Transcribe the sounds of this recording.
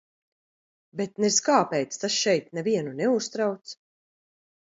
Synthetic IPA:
bet̪nɛskaːpɛjt̪st̪asʃɛjt̪nɛviɛnunɛust̪ɾawt̪s

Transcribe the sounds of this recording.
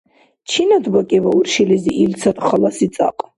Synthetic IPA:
t͡ʃʰinad̪bakʼivauɾʃiliziʔilt̪sʰat̪ʰʼχlasit̪sʼa̰qʼ

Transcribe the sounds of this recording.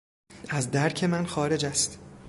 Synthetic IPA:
æzd̪æɾkʰe̞mænxɒːɾe̞d͡ʒæst̪

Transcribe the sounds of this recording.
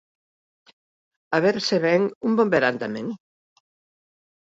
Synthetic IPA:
aβeɾseβɛŋumbombeɾant̪amẽŋ

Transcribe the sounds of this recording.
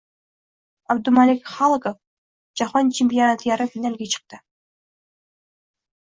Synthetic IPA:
ɑbd̪umalʲekχɑlˠkof | d͡ʒɑχont͡ʃʰempʲijonat̪jɑɾɯfʲinalʲɡʲet͡ʃʰɯ̥q̚t̪ɯ

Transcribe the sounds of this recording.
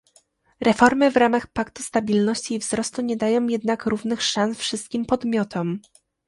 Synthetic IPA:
ɾɛfɔɾmɘvɾamaxpakt̪u̥st̪abʲilnɔɕt͡ɕiːvzɾɔst̪uɲɛd̪ajɔ̃w̃jɛd̪nakɾuvnɘxʂansfʂɘst̪̚kʲimpɔd̪mʲjɔt̪ʰɔm

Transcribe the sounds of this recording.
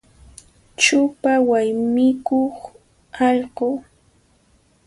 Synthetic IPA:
t͡ʃʊpawajmɪkoχ | ɑʎɢoː

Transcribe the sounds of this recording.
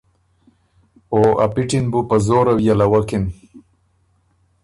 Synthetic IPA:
oa̰piʈinbupazoːɾawjalawakin

